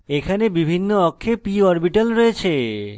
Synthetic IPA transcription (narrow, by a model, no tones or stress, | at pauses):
ekʰanebibʱinːoɔkʰːepiɦɔɾbiʈalɾɔet͡ɕʰe